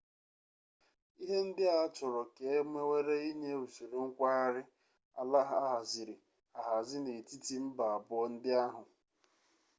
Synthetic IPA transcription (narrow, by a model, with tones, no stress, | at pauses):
i˦ɦe˦n̩˦dɪ˦a˨˦t͡ʃʊ˨ɾɔ˨ke˨e˦me˦we˦ɾe˦i˦ɲe˦u˨su˨ɾu˨ŋ̩˦kʷa˦a˦ɾɪ˦ | a̰˨la˦ɦa˦ɦa˨zɪ˨ɾɪ˨ | a˨ɦa˨zɪ˦ne˨ti˦ti˦m̩˦ba˨a˨bʊ˦ɔ˦n̩˦dɪ˦a˦ɦʊ˨